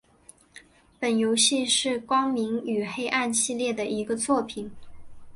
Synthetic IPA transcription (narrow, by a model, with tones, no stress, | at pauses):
pə˨˩njo˧˥ʊɕi˥˧ʂɻ̩˥˩kwɑ˥ŋmi˧˥ŋy˨˩xe˥ɪʔa˥˧nɕi˥˧ljɛ˥˩d̪ə˩i˧˥ɡə˧t͡swɔ˥˩pʰi˨˩˦n